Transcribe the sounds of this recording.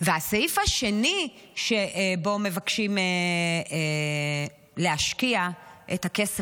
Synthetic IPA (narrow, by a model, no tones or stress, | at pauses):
veaseifaʃe̞ni | ʃeʔbo̞me̞vakʃime | leaʃkiaʔethakese